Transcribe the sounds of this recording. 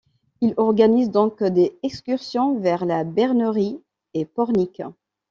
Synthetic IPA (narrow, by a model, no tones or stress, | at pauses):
ilɔʁɡanizd̪ɔ̃kd̪eɛkskʲyʁsjɔ̃vɛʁlabɛʁnəʁi | epɔʁnik